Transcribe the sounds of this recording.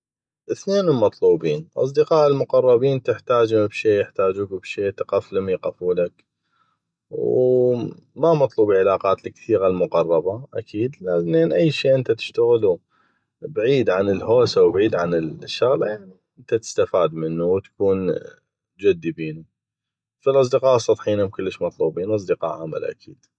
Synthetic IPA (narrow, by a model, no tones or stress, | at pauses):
ʔɪθneːnlmɑt̪ˤluːbiːnʔɑ̰sˤd̪əqɑːʔɪlmʊqɑrˤːɑbiːnt̪ɪħt̪aːd͡ʒbʃeːjɪħt̪aːd͡ʒuːkbʃeːt̪ɪqaflʊmjqafuːlak | w | mamɑt̪ˤluːbiʕɪlaːqaːt̪lkθiːɣalmʊqɑrˤːɑbaʔakʰiːd̪laneːnʔajːʃeːʔɪnt̪at̪ɪ̥ʃt̪aɣɪlu | bʕiːd̪ʕanəlhoːsawbʕiːd̪ʕanəlʃːaɣlajaʕni | ɪnt̪at̪ɪ̥st̪afaːd̪mənːuwt̪ḁkuːn | d͡ʒad̪ːibiːnu | filʔɑsˤd̪əqɑːʔsˤːɑt̪ˤħiːnakənlːəʃmɑt̪ˤluːbiːnʔɑs̬ˤd̪əqɑ̰ːʔʕama̰lʔa̰kʰḭːd̪̥